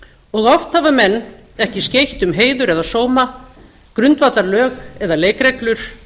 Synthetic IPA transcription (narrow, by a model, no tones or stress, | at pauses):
ɔɣɔft̪havamɛnː | ɛhcɪscejht̪ʏmɦeːjðʏɾɛðasoːwma | kɾʏnt̪vat̪laɾlœːɣɛðaleːjkɾɛklʏɾ̥